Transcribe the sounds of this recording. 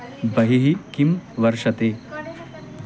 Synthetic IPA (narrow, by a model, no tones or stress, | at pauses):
bəɦiɦikimʋəɾʂət̪e